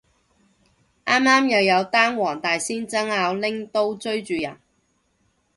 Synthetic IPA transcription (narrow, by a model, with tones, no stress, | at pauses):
ʔaː˥mːaː˥mjɐ˨wjɐ˨˧wt̪aː˥nwɔː˨˩ŋt̪aː˨jsiː˥nt͡sɐ˥ŋaː˨˧wlɪ˥ŋt̪o˥wt͡sɵ˥ɥt͡ʃyː˨jɐ̰˨˩n